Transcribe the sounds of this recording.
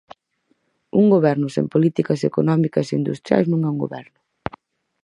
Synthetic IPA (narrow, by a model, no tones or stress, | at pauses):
uŋɡoβɛɾnʊsḛmpolit̪ikɐsekonɔmikɐseind̪ust̪ɾja̰jznũŋɛuŋɡo̰βɛɾnʊ